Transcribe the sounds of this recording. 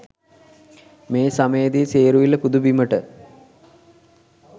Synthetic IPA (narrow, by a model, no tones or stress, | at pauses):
meːsaməjəd̪iseːɾuʋilːəpud̪ubiməʈə